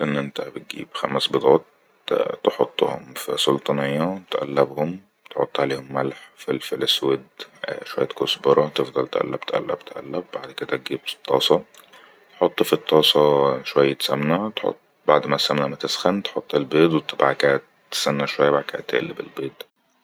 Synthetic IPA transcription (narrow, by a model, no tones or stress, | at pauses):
ʔenːʔent̪æbet̪̚ɡḭːbxæmæsbed̪ˤɑːt̪̚ | t̪eħot̪ˤːo̰ho̰mfisolt̪ˤɑnejːæt̪ʔæ̰lːæbhom | t̪ħo̰t̪ˤːʕaleːhomːælħfilfileswed̪ʃwæ̰jːæt̪kosbɑɾˤɑt̪efd̪ˤɑlt̪ʔæ̰lːæbt̪ʔæ̰lːæ̰b̚t̪ʔæ̰lːæbbaʕd̪ked̪æt̪̚ɡiːbfi̥t̪ˤːɑːsˤɑ | t̪ħot̪ˤːfit̪ˤːɑːsˤɑʃwæjːæt̪sæmnæt̪ħo̰t̪ˤː | baʕd̪mæsæmnæmæt̪esxænt̪ħot̪ˤːelbeːd̪wet̪ɑbʕakæʔt̪ː | sænːæʃwæjːæbaʕkæ̰ʔt̪ːʔḛlːebḛlbeːd̪